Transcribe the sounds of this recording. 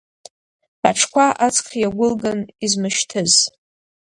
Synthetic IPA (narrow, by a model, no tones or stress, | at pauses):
aʈ͡ʂʰkʷaʔat͡sʰʼqʰjaɡʷʊlɡanizmɨʃtʰɨz